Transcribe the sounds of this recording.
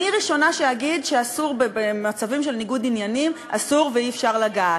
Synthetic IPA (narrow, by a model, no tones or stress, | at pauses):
iʁiʃo̞naʃehaɡidʃeasuʁbebemat͡savimʃe̞lniɡudinjanim | a̰suʁveifʃaʁlaɡa